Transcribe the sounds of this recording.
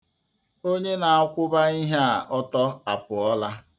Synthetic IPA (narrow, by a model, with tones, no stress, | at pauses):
o˦ɲe˦na˨a˦kʷʊ˦ba˦i˦ɦe˦a˨ʔɔ˦tɔ˦a˨pʊ˨ɔ˦la˦